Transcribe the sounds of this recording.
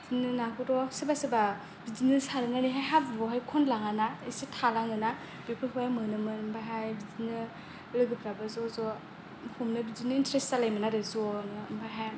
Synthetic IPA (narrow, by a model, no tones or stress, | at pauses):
zinɯnakʰɔɾɔsibasiba | bizinɯsaɾɯnaniɦajɦabuɾɔɦajkʰɔnlaŋanaisitʰalaŋnɯna | b̥ipʰɯhamɯnɯmɯnmbajɦajbizinɯ | lɯɡɯpʰɾabazɔzɔ | humnɯbizinɯintɾestalajmanaɾɯzɔnɯmbajɦaj